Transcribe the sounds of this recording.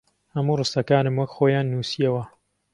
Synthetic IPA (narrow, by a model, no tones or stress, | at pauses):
hɐmuːrɨst̪ɐkaːnɨmwɐkxoːjaːnːuːsijɐwɐ